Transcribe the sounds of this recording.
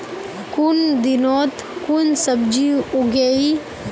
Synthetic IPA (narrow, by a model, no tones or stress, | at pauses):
kund̪inot̪ | kunsəbd͡ʒiuɡei